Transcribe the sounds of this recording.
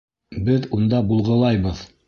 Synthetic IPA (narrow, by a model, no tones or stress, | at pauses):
bɘðund̪ɑbulˠʁɤ̆lˠɑjβɤð